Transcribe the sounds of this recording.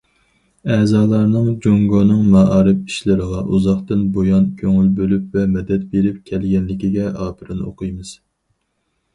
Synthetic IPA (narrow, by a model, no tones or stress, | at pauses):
ɛzɑːlˠɑɾnɨŋd͡ʒoŋɡonɨŋmɑɑːɾɨpi̥ʃlɪɾəʁɑʔuzɑχt̪ɨnbojɑnkʲʰøŋylbølypvɛmɛd̪ɛt̪̚beɾɪp̚kʲʰɛlɡʲɛnlɪkʲiɡʲɛʔɑːpʰɨɾɨno̰qʰɨjmɨz̥